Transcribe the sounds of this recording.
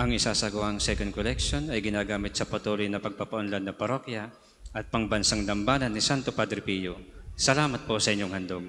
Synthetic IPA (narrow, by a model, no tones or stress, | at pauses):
ʔɐŋɪsaːsɐɡʊʔaŋsɛkond̪̚kolɛkʃo̞nɐjɡɪnaːɡaːmɪt̪̚sɐpɐt̪uːlojnɐpɐɡ̚papɐʔʊnlad̪nːɐpɐɾo̞kja | ʔɐt̪̚pɐŋbɐnsaŋd̪ɐmbaːnɐnːɪsant̪opad̪ɾɪpijosɐlaːmɐt̪̚posɐʔɪɲːoŋhɐnd̪om